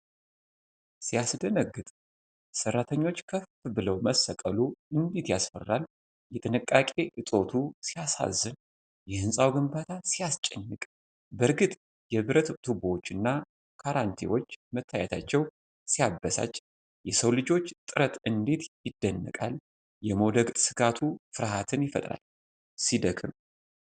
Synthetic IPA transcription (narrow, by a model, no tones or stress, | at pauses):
sijasd̪ənəɡːɨt̪ʼ | sərːat̪ʰəɲːo̞t͡ʃːkʰəfbɨləwməsːəkʼəluɨnd̪et̪jasfə̰rːal | jɛt̪ʼɨnɨkʼːakʼe̞ʔɨt̪ʼo̞t̪ʰusijasa̰zːɨn | jɛhɨnsʼawɡɨmbat̪ʰasijast͡ʃʼɛɲːɨkʼ | bəɾɡɨt̪ʼ | jɛβɨɾət̪t̪ʰuboot͡ʃːɨnːa | kʰaɾant̪ʰḭwo̞t͡ʃːmət̪ʰːaja̰t̪ʰat͡ʃːɛw | sijabːəsa̰t͡ʃʼː | jɛsəwlɨd͡ʒo̞t͡ʃːt̪ʼɨɾət̪ɨnd̪et̪jɪd̪ːənːɨ̰kʼal | jɛmod̪əɡsɨɡat̪ʰufɨɾɦat̪ʰɨnjɪfə̰t̪ʼɾa̰l | sid̪əkʰɨm